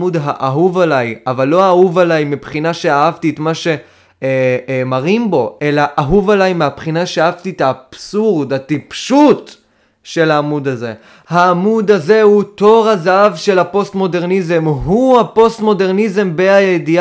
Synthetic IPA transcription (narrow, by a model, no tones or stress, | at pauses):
ud̪ɦaʔaɦuvalajavalːo̞aːhuvalajmipχinaʃe̞aavtiet̪maʃe̞ | maʁimbo̞e̞laʔːɦuvalajmeapχinaʃeaavtitaːpsuʁd̪atipʃut | ʃe̞laːmud̪aze̞̰ | haːmud̪aze̞huto̞ʁazaavʃe̞lapo̞st̪mo̞de̞ʁnizemɦuhapo̞stmo̞deʁnizembeajedi